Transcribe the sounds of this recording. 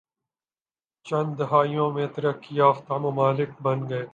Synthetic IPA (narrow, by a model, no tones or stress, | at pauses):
t͡ʃɐ̃nd̪d̪ɐɦaːijõːmẽːt̪ɐɾɐkːiaːft̪aːmɐmaːlɪk̚bɐnɡɐeː